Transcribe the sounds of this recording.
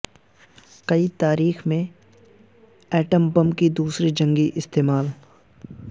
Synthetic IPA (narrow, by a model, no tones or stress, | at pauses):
kɐit̪aːɾiːxmẽ | ɛːʈəmbə̃mkid̪uːsɾid͡ʒɐ̃ŋɡiʔɪst̪eːmaːl